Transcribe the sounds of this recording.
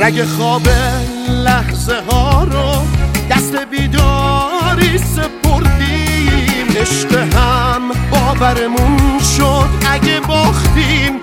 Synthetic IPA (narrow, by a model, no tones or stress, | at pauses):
ɾæɡexɒːbe | læhze̞ɦɒːɾɔd̪̥æst̪e̞biːd̪ɒːɾise̞pʰo̞ɾd̪i | mʔeʃqeɦæmbɒːvæɾemunʃod̪ʔæɟebɒːχt̪im